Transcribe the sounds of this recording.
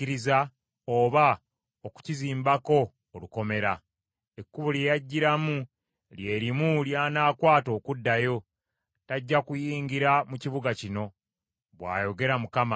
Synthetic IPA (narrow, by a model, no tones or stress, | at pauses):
iɾiza | oːβa | oku̥ciziːmbako̞ː | luko̞me̞ɾa | e̞kːuβuljejaɟːiɾamu | lje̞ːɾimuljaːnaːkwaːto̞ːkudːajo̞ | taɟːakujiːŋɡiɾamuciβuɡacino̞ | βwa̰ːjo̞ɡe̞ɾamukama